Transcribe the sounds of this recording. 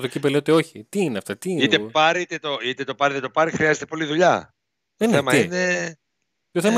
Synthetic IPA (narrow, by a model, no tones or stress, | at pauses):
t̪ocipeleot̪eo̞çit̪iːneɐft̪ɐt̪iit̪epɐɾit̪et̪oit̪et̪o̞pɐɾit̪et̪opɐɾixɾiɐzet̪epo̞liðuʎɐ | enθeemɐiine | coθemɐ